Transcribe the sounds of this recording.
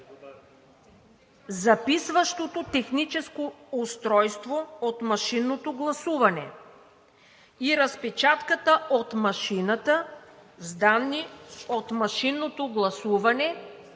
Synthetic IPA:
zɐpisvɐʃt̪ot̪ot̪ɛxnit͡ʃɛskoʊst̪ɾɔjst̪voot̪mɐʃinːot̪oɡlˠɐsuvɐnɛ | iɾɐspɛt͡ʃat̪kət̪əot̪mɐʃinɐt̪əzd̪anːiot̪mɐʃinːot̪oɡlˠɐsuvɐnɛ

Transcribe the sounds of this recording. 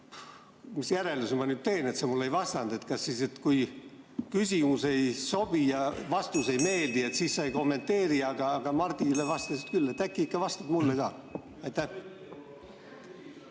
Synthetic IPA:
misjæɾelusemɑnyːd̪̥̚t̪e̞ːne̞t̪semulːejvɑst̪ɑnd̪̥et̪kɑsːise̞t̪kuj | kysʲimuse̞jso̞b̥ijɑvɑst̪use̞jme̞ːld̪ie̞t̪sisːɑjko̞mːe̞nt̪ːe̞ːɾiɑɡɑːɡ̥ɑmɑrt̪ilevɑst̪ɑsit̪kylːet̪ækːˑiikːɑvɑst̪ɑt̪mulːeɡ̥ɑː | ɑjt̪ːæ

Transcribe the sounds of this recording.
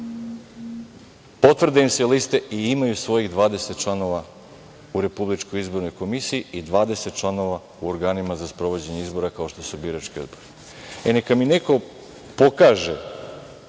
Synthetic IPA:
po̞t̪vr̩d̪eimselist̪e̞ʔiimajusʋo̞jiɣd̪ʋaːd̪e̞set̪̚t͡ʃlˠano̞ʋa | uɾe̞publit͡ʃko̞jizbo̞ɾno̞jko̞misiiid̪ʋaːd̪e̞set̪̚t͡ʃlˠano̞ʋa | uoɾɡaːnimazaspɾo̞ʋo̞d͡ʑe̞ɲe̞izbo̞ɾakao̞ʃt̪osubiːɾat͡ʃkio̞d̪boɾi | enekamineko̞ | po̞kaːʒe

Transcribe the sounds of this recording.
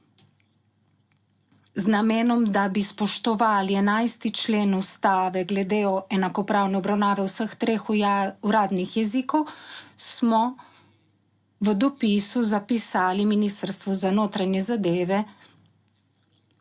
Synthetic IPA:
znameːnɔmd̪abispɔʃt̪ɔʋaːliɛnajst̪it͡ʃleːnust̪aːʋɛɡlɛd̪eɔʔɛnakɔpɾaːwnɛɔbɾawnaːʋɛwsəxt̪ɾeːxuɾaːd̪nixjɛzikɔwsmɔ | ʋəd̪ɔpiːsuzapisaːliminiːst̪əɾst̪ʋuzanoːt̪ɾanjɛzad̪eːʋɛ

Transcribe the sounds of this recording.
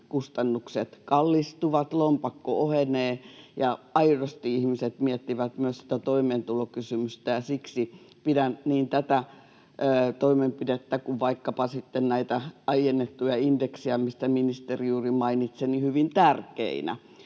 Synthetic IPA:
kust̪ɑnːukset̪kɑlːist̪uʋɑt̪lompɑkːooheneːjɑɑirost̪iihmiset̪miet̪ːiʋæt̪myøssi̥t̪æt̪oimeːnt̪ulokysymyst̪æjɑsiksi | pidænniːnt̪æt̪æ | ət̪oimempidet̪ːækuʋʋɑikːɑpɑsit̪ːennæit̪æɑijenːet̪ːujɑindeksiɑmist̪æminist̪erijuːrimɑinit̪senihyʋint̪ærkḛinæ̰

